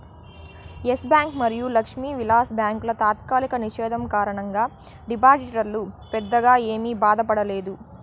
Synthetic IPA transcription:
esbjaːŋkmɐɾijulɐkʂmiːʋilaːsbjaːŋklɐt̪aːt̪kaːlikɐniʃɛːd̪ʱɐmkaːɾɐɳɐŋɡaː | ɖipaːd͡ʒiʈɐɾlupɛd̪ːɐɡaːeːmiːbaːd̪ɐpɐɽɐleːd̪u

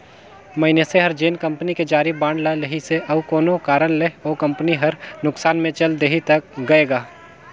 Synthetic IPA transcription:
mɐɦɪneseɦɐɾd͡ʒeːnkɐ̃mpniked͡ʒaːɾibãːɳɖlalɐɦiseʔɐʋkɔːnokaːɾəɽleɔːkɐ̃mpniɦɐɾnʊksaːnmẽt͡ʃɐld̪eɦit̪ɐkɡɐeːɡaː

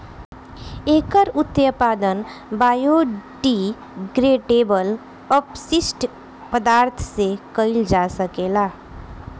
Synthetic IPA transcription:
eːkəɾʊt̪ːjəpaːd̪ənbaːjoːɖi | ɡɾeːʈeːbəl | əpsɪsʈ | pəd̪aːɾt̪ʰsekəɪld͡ʒaːsəkeːlaː

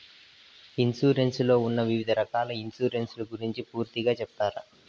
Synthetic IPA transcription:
insuːɾe̞nslo̞ːunːɐʋiʋid̪ʱɐɾɐkaːlɐinsuːɾe̞nslɐɡuɾiɲt͡ʃipuːɾt̪iɡaːt͡ʃɛp̚t̪aːɾɐ

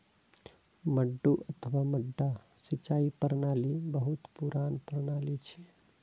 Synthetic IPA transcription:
məɖːuʔət̪ʰəʋaməɖːasit͡ʃaipəɾnalibəɦut̪puɾanpəɾnaːlit͡ʃʰi

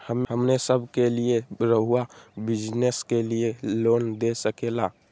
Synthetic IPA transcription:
həmɦəmnesəbʱkelieɾəɦuabid͡ʒneskelijelond̪esəkela

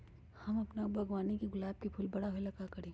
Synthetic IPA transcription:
hɐmɐpnabʱɐɡwaːnikeɡʊlaːb̚kipʰuːlbɐɽaɦoelɐɡakɐɾẽː

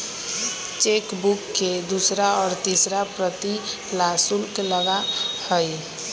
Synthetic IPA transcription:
t͡ʃekbukːed̪usɾaɔɾt̪isɾapɾət̪i | lasulkeləɡahəj

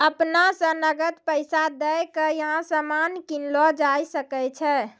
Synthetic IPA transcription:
əpnasə̃nəɡət̪pəjsad̪ɛjkəjəɦãsəmankinlɔd͡ʒajsəkɛt͡ʃʰɛ

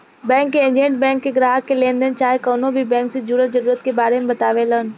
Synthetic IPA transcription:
bɛ̃ːŋkːeɪ̃ɲd͡ʑẽːɳʈ̚bɛ̃ːŋkːeɡɾaːɦəkʰːelẽːnd̪ənɪ̆t͡ɕaːɦekoːnobʱibɛ̃ːŋksezuːɾət̪̚zɐɾuːɾət̪̚kebaːɾemẽbɐt̪aːʋeləɦənɪ̆

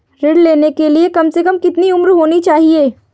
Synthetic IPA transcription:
ɾɪɖleːnekeliekɐmsekɐmkɪt̪niʊmɾɦoːnit͡ʃaːɦieː

